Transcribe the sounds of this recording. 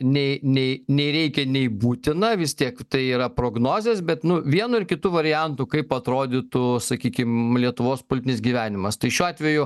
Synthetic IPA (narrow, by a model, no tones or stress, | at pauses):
nʲɛɪnʲɛɪnʲɛɪɾʲɛɪkʲɛnʲɛɪbuːt̪ʲɪnɐʋʲɪst̪ʲiɛkt̪ɐɪiːɾɐpɾoːɡnoːzʲeːsbʲɛt̪nʊʋʲiɛnʊɪɾkʲɪt̪uːʋɐɾʲɪjɛnt̪ukɐɪpɐt̪ɾoːd̪ʲɪt̪ʊsɐkʲiːkʲɪmlʲiɛt̪ʊʋoːspolʲɪt̪ʲɪnʲɪs̬ɡʲiːʋʲæːnʲɪmɐst̪ɐɪʃʲuːɑːt̪ʲʋʲɛjʊ